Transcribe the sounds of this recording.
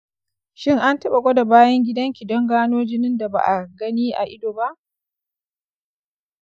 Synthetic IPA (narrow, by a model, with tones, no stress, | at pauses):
ʃɪ˦ŋʔa˦ntɐ˦ɓa˨ɡʷɐ˦da˨baː˦jɐ˦ŋɡʲɪ˦dɐ˦ŋkʲi˨dɔ˦ŋɡaː˦noː˦d͡ʒɪ˦nɪ˦nda˨ba̰ː˨ʔa˨ɡɐ˦niː˦ʔa̰˨ʔɪ˦doː˨ba˦ʔ